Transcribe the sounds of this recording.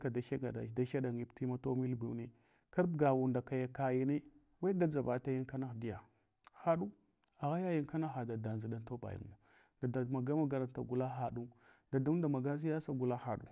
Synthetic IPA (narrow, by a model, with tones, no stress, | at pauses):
ka˨da˨ʃa˦ɡa̰˨da̰˨da˦ʃa˦ɗa˨ŋi˦pti˦ma˦to˦mi˦lbi˨wni˦ | ka˦ɾb̚ɡa˨wu˨nda˨ka˨ja˨ka˨ji˨ni˦ | wa˦da˦d͡za˨va˨ta˦ji˦ka˦na˦xdi˦ja˨ | xa˦ɗu˦ | a˨ɣa˦ja˦ji˦ŋka˦na˦xa˨da˨da˨nza˨da˦nto˦ba̰˨jḭ˨ŋ˦u˨ | da˨da˨ma˨ɡa˦ma˦ɡa˨ɾa˨nta̰˨ɡu˨la˦xa˨ɗu˦ | da˨du˦m˦da˨ma˨ɡa˦s̬i˦ja˦sa˦ɡu˨la˦xa˨ɗṵ˨